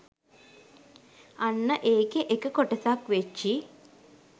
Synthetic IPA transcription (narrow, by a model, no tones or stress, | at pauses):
anːəʔeːkeʔekəkoʈəsakʋet͡ʃːi